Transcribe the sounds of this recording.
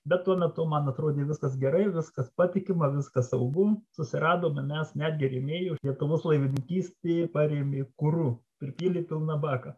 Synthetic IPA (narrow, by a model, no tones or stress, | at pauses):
bʲɛt̪t̪ːuɔmʲɛt̪ʊmɐnɐt̪ɾoːd̪ʲeːʋʲɪskɐsɡʲɛɾɐɪʋʲɪskɐspɑːt̪ʲɪkʲɪmɐʋʲɪskɐssɐʊɡʊsʊsʲɪɾɑːd̪oːmɪmʲɛsnʲæːd̪ʲɡʲɪɾʲeːmʲeːjoːlʲiɛt̪ʊʋoːslˠɐɪʋʲɪnʲɪŋʲkʲiːsʲt̪ʲeːpɑːɾʲeːmʲeːkʊɾuːpʲɾʲɪpʲiːlʲiːpʲɪlˠnɑbɑːkɐ